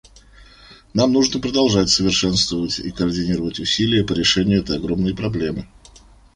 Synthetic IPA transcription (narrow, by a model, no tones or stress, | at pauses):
namnuʐnəpɾəd̪ɐlˠʐatʲsəvʲɪrʂɛnst̪vəvətʲḭkəɐrdʲɪnʲiɾəvətʲʊsʲilʲɪjəpəɾʲɪʂɛnʲɪjʊɛt̪əjɐɡɾo̞mnəjpɾɐblʲe̞mɨ